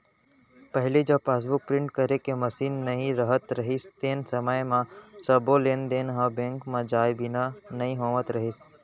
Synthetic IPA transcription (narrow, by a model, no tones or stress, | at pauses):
pəɦɪlid͡ʒɐbpaːs̬bʊk̚pɾɪ̃ɳʈ̚kəɾekeməsiːnːɐɦĩɾəɦət̪ɾɐɦist̪eːnsəməjmãsəboleːnd̪eːnɦə̃bẽːŋkmãd͡ʒaːjbɪnanɐɦĩɦoːʋət̪ɾɐɦis